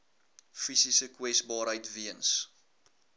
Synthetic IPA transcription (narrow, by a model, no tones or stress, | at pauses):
fisisəkwɛsbɑːɾɦəjtviəns